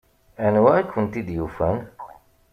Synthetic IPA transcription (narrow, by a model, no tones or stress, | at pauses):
ænwækːʊnt̪id̪jufæn